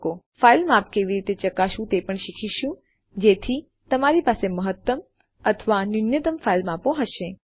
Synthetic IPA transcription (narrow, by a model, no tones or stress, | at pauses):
ko | failmap̚keʋiɾit̪et͡ʃəkaʃũt̪epəɳʃikʰiʃũ | d͡ʒet̪ʰi | t̪əmaɾipaseməɦət̪ːəm | ət̪ʰəʋanʊnjət̪əmfailmapõɦəʃe